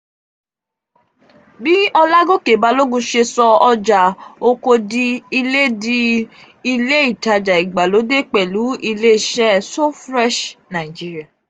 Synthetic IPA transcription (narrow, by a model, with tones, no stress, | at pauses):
bi˦ɔ˧la˦ɡo˦ke˨ba˨˧lo˦ɡũ˧ʃe˧sɔ˧ɔ˧d͡ʒa˨o˧ko˧di˧i˧le˦di˧ | i˧le˦i˨ta˧d͡ʒa˨i˨ɡ͡ba˨lo˨˦de˦˨k͡pɛ˨lu˨˦i˧le˦i˦˨ʃɛ˦so˦fɾɛ˦ʃnã˨d͡ʒi˦ɾi˦a˨